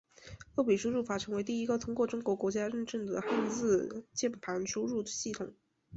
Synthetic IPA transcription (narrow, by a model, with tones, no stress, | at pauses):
j̪o˥˩ʊpi˨˩ʂu˥ɻu˥˩fa˨˩ʈ͡ʂʰɤ˧˥ŋwe˧˥ɪt̪i˥˩i˥ɡə˨t̪ʰʊ˥ŋkwɔ˥˩ʈ͡ʂʊ˥ŋkwɔ˧˥kwɔ˧˥t͡ɕja˥ɻə˥˧nʈ͡ʂə˥˩ŋd̪ə̰˩xa˥˧nt͡sɹ̩˥˧t͡ɕjɛ˥˩npʰa˧˥nʂu˥ɻu˥˩d̪ə˩ɕi˥˩t̪ʰʊ˨˩˦ŋ